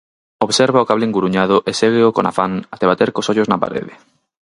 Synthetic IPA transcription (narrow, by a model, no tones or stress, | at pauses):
oβseɾβaokaβliŋɡuɾuɲað̞ʊʔeseɣ̞eokona̰fanat̪eβ̞at̪eɾkosoʎoznapa̰ɾḛðe